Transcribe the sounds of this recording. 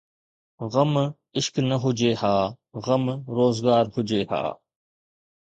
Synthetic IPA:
ɣəm | ɪʃknəɦʊd͡ʒeːhaː | ɣəmɾoːzɡaːɾhʊd͡ʒeːha̰ː

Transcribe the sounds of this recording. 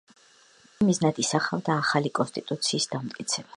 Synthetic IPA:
miznad̪isaχavd̪aːχalikʼɔnst̪ʼit̪ʼut̪sʰiːsd̪amt̪ʼkʼit̪sʰɛb̥a

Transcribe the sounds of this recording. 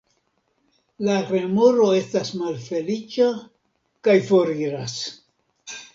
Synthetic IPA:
laɾe̞mo̞ɾo̞e̞stasmalfe̞lit͡ʃa | kajfo̞ɾiɾas

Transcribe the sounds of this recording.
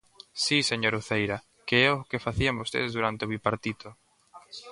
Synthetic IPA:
siseɲoɾuθejɾɐ | keɛokefaθiambost̪ḛðzðuɾant̪eoβipaɾt̪it̪o

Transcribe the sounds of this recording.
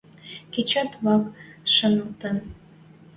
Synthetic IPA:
ket͡ɕɑt̪βɑkʃə̆nəlt̪ən

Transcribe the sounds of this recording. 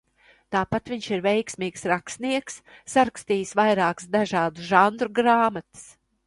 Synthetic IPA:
t̪aːpat̪viɲʲʃiɾvɛjksmiːksɾakst̪niɛksːaɾakst̪iːsvajɾaːksd̪aʒaːd̪uʒand̪ɾuɡɾaːmat̪ɨ̥s

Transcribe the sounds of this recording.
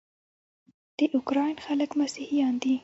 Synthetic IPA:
d̪̥əʔʊkɾɑjnxaləkmasihijɑnd̪i

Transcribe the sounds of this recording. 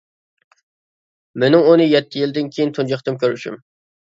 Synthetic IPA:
mɪnɪŋunɨjɛt̪ʰːɪjild̪ɪnkʲʰijint̪ʰund͡ʒɑχt̪ɨmkʲøɾyʃy̰m

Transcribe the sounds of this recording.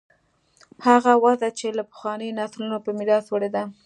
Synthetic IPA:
haɣawazat͡ʃelapə̥xwɑnəjnɑslunopəmɪɾɑswəɽed̪a

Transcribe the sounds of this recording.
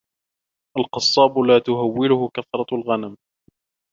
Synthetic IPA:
ʔalqɑsˤːɑːbʊlaːt̪ʊɦawːɪlʊhʊkaθɾˤɑlɣanam

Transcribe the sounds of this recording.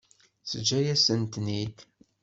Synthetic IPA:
səd͡ʒæjæsənt̪nid

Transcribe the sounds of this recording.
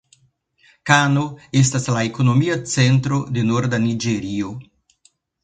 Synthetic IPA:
kano̞e̞s̬taslaekono̞miat͡sentɾode̞noɾdanid͡ʒeɾio̞

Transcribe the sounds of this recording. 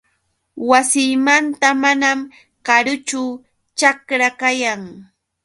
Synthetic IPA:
wasɪːmant̪amanam | kaɾʊt͡ʃʊ | t͡ʃakɾakajaŋ

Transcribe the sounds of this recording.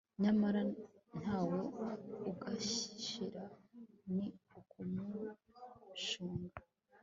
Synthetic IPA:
ɲamaɾan̥haːwouɡaɕiʃiɾaniukumu | ʃuːŋɡa

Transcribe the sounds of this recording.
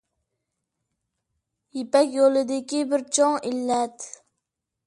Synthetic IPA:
jipɛkʲjolˠɪd̪ɪkʲibɪɾt͡ʃʰɑŋilːɛt̪

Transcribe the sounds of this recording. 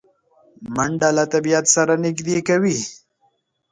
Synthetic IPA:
maɳɖalat̪abijat̪saɾanɪkd̪ekawi

